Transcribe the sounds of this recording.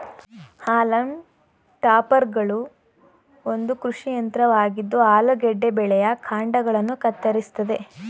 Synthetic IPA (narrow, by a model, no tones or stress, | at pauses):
haːlɐm | ʈaːpɐɾɡɐɭu | o̞nd̪ukɾuʂijɐnt̪ɾɐʋaːɡid̪ːuaːlɐɡɛɖːebɛɭɛjɐkʰaːɳɖɐɡɐɭɐnːukɐt̪ːɐɾist̪ɐd̪e̞